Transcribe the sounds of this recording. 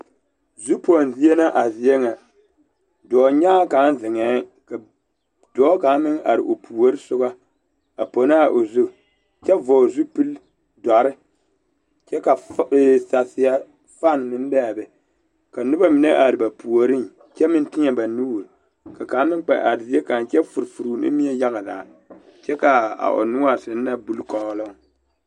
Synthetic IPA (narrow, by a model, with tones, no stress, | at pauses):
zu˦po˨n˨zi˦je˦na˦ʔa˨zi˨jɛ˦ŋa˨ | dɔː˨ɲa˦ka˨˦n˦zɪ˨ŋɛː˨˦ka˨ | d̥ɔː˨˦ka˨˦mɪ˦ŋʔa̰˨ɾɪ̰˨ʔo˨pʰu˨o˦ɾɨ˦sʊ˦ɡa˦ | a˨po˨na˦˨ʔo˨zu˦ | t͡ʃɛ˦vɔː˨zu˦pɨ˦l | da˨ɾɨ˦ | t͡ʃɛ˦ka˨˦˨sa˨sɪ˨ja˦ | fa˦˨n˨mɨ˦n˦ba˦a˨bɛ˨ | ka˨nɨ˦ba˦mɪ˨nɛ˦ʔa˨ɾɨ˨ba˨pu˨o˨ɾɨ˦ŋ | t͡ʃɛ˦mɪ˦n˦tɪ˦ɛ˨ba˨nu˦˨ɾ | ka˨ka˨˦mɪ˦ŋk͡pa̰˨ʔa˨ɾe˦ka˨n˨t͡ʃɛ˦fu˨ɾfu˨ɾu˨nɨ̰˦mi˦ɛ˦ja˦ɣa˨daː˨ | t͡ʃɛ˦ka˨a̰˨ʔo̰˨nʊ˦a˨sɨ˨n˦na˦bu˦lkɔ˦lɔ˦ŋ